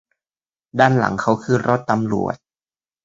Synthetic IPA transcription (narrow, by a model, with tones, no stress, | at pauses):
daː˥˩nla̰˨˩˦ŋkʰa˦˥wkʰɯː˧˩ɾo˦˥t̪ːa˧mlṵ˨˩ət̪̚